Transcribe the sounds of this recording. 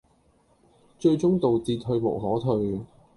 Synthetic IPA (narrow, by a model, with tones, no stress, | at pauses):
t͡ʃɵ˧ɥt͡ʃʊ˥ŋt̪o˨wt͡siː˧t̚ɦɵ˧ɥmʊ̰˨˩ɦɔː˨˥t̪ʰɵ˧ɥ